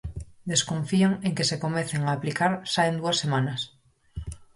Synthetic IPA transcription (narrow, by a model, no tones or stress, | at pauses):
d̪e̞skõ̞ɱfiaŋe̞ŋke̞se̞ko̞menθeŋaːplikaɾsaend̪uasːe̞mãnas